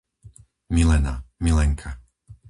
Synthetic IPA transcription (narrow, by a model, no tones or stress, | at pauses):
milɛna̰milɛŋkʰa